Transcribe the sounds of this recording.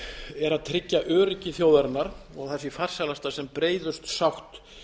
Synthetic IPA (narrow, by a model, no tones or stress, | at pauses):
ɛɾaðt̪ʰɾɪcːaʔœːɾɪcɪθjoːwðɛɾnaɾɔɣθɛsɪfar̥salast̪asɛmpɾeːjðʏst̪sawxt̪